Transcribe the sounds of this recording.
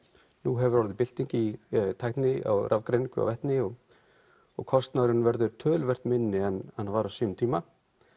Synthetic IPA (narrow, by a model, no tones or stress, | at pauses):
nuɦɛvʏɾaɾðɪpɪl̥t̪iɲcɪit̪ʰaːjht̪nɪa̰wrʔa̰vkɾejniŋkʏa̰wvɛht̪nɪɔɣ | ɔ̰ɣkʰɔst̪naðɾɪnvɛɾðʏɾt̪ʰœːlvɛr̥t̪mɪnːɪɛnhanhavaːɾasiːʏmt̪ʰiːma